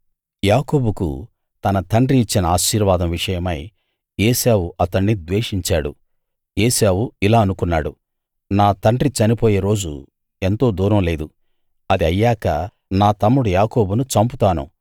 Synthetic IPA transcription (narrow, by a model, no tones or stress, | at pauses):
jaːko̞ːbukṵ | t̪ɐnɐt̪ɐɳɖɾiːt͡ʃːinɐaːʃiːɾʋaːd̪ɐmʋiʂɐjɐmɐj | eːseːwuɐt̪ɐɳːid̪ʋeːʂiɲt͡ʃaːɽṵ | eːseːwuilaːɐnukunːaːɽu | naːt̪ɐɳɖɾit͡ʃɐnipoːjeːɾo̞ːd͡ʒṵ | e̞nt̪o̞ːd̪uːɾɐmle̞ːd̪u | ɐd̪iɐjːaːkɐ | naːt̪ɐmːuɽujaːko̞ːbunut͡ʃɐmput̪aːnṵ